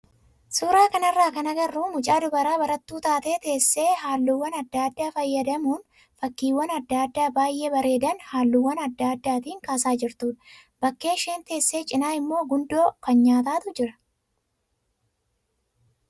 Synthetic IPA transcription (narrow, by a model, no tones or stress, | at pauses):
suːɾaːkɐnɐrːaːkɐnɐɡɐrːuːmʊt͡ʃʼaːd̪ʊbɐɾaːbɐɾɐt̪ːuːt̪aːt̪e̞ːt̪e̞ːsːe̞ːɦaːlːʊwːɐnɐd̪ːaːd̪ːaːfɐjːɐd̪ɐmuːn | fɐkːiːwːɐnɐd̪ːaːd̪ːaːbaːjʔe̞ːbɐɾe̞ːd̪ɐnhaːlːʊwːɐnɐd̪ːaːd̪ːaːt̪iːŋkaːsaːd͡ʒɪɾt̪uːᶑ̪ɐ | b̥ɐkːe̞ːʃe̞ːnt̪e̞ːsːe̞ːt͡ʃʼɪnaːɪmːo̞ːɡʊnd̪o̞ːkɐnɲaːt̪aːt̪ʊd͡ʒɪɾɐ̥